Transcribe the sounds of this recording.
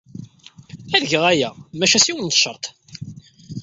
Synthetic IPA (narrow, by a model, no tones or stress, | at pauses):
æðəʝəʁæjæmæʃæsiwənt̪ə̥ʃəɾˤt̪ˤ